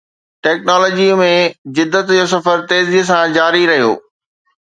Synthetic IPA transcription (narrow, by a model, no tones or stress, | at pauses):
ʈɛːknɔːlɔːd͡ʑimẽd͡ʑɪd̪ːət̪d͡ʑoːsɐfəɾt̪eːziːsãd͡ʑaːɾiɾɐɦijo̰ː